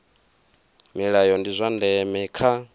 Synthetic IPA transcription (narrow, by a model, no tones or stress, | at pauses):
miɺajɔndizʷandɛmɛkʰa